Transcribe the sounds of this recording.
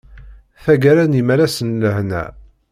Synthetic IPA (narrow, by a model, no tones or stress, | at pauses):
θæɡæɾænimæɾæsənːəhnæ̰